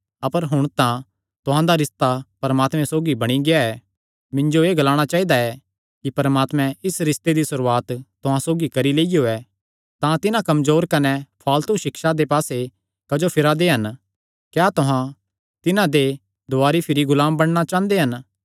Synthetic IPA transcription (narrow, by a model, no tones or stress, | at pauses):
ɐpəɾɦʊɽ̃t̪ã | t̪ʊɦãd̪aɾɪst̪apɐɾmaːt̪mɛ̃soːɡibɐɽ̃iɡeaɛː | mɪ̃ɲd͡ʒoeːɡɐlaːɽ̃at͡ʃaːid̪aɛ | kipɐɾmaːt̪mɛ̃ɪsɾɪst̪ed̪isʊɾuːaːt̪t̪ːʊɦãsoːɡikɐɾileːijoɛː | t̪ãt̪ɪnãkɐmzoːɾkɐnɛpʰaːlt̪uʃɪkʃad̪epaːse | kɐd͡ʒopʰɪɾad̪eɦɐn | kjaːt̪ʊɦã | t̪ɪnãd̪e | d̪ʊaːɾipʰɪɾiɡʊlaːmbɐɽ̃ñat͡ʃãːnd̪eɦɐn